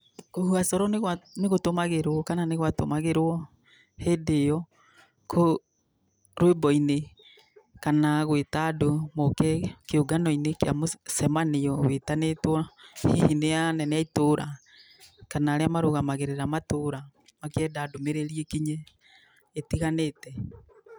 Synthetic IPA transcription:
ohuasɔɾɔnɣwaneɣotomaɣeɾwɔkananeɣwato̰maɣeɾwɔ | heːdejɔ | kʰo | ɾwebɔine | kanaɣwetadomokɛkeoɡanɔinekea̰mosɛmanejɔwetanetwɔhehinejanɛneaitoɾa | kanaːɾeamaɾoɣamaɣeɾeɾamatoɾa | makeɛdadomeɾeɾiekiɲeː | tiɣanetɛ

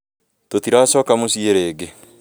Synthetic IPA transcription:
totiɾasɔːkamosieɾeːɡe

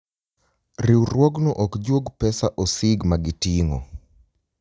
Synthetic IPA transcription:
riwɾwɔɡnɔʔɔkd͡ʒwoɡpɛsaʔɔsɪɡmaɡɪtiŋo̰

